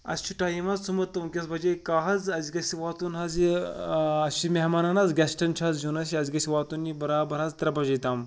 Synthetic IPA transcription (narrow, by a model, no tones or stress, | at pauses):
ɐ̰st͡ʃʰiʈaːjimɐzt͡sʰumɐt̪ːɐmkʲɐsbʱɐd͡ʒekaːɦɐzɐzʲiɡɐsiʋaːt̪unɦɐzi | ɐst͡ʃʰimʲeɦmaːnanazɡʲɐsʈɐnt͡ʃʰazd͡ʒunɐs̬iɐziɡɐsiʋaːt̪unːibɐɾaːbɐɾaːzt̪ɾɐbɐd͡ʒɐjt̪aːm